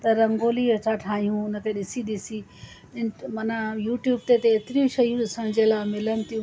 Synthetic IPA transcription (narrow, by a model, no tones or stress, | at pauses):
t̪ɐɾɐ̃ŋɡoːliɐt̪ʰaʈʰaːɦijũʊnə̆k̪ʰeɗɪsiɗ̪isi | ɪmɐnajuːʈjuːb̚t̪et̪eet̪ɪɾiũʃɐijũɗɪsəɽ̃d͡ʑeːlaːmɪlənɪ̆t̪ijũ